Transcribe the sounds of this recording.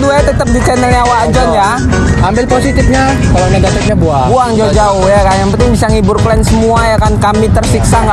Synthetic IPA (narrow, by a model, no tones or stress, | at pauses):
d̪uat̪ət̪əp̚dit͡ʃɛnəliawad͡ʒɔnja | ambɪlposit̪ɪfɲa | kalanəɡat̪ɛk̪̚ɲabuabuaŋd͡ʒad͡ʒaʊhjakanjaŋpənt̪ɪŋbisaŋibʊrklɛnsəmuajakankamit̪ərsiksaŋɡa